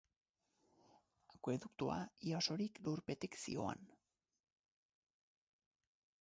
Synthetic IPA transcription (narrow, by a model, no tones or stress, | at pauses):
akweðukt̪ua̰ioso̞ɾikluɾpe̞t̪iksḭo̞̰a̰n